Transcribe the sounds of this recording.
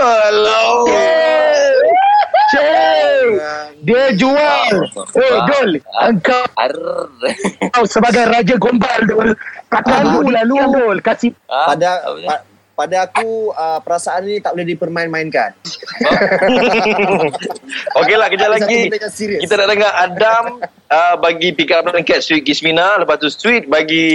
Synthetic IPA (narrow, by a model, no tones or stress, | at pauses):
əlo | t͡ʃe | diəd͡ʒualedoləŋkaw | kawsəbaɡajrad͡ʒaɡombaldolkakalulaludolkasiadaa | padaːkuəpəɾasaannĩt̪aʔbəlodipərmainmainkan | okelahkəd͡ʒalaɡiaɲasiɾiəkit̪anaʔt̪əŋaɾadam | əbaɡipikaɾaplankɛt̪̚st̪wit̪̚ɡisminaləpaht̪ust̪wit̪̚baɡi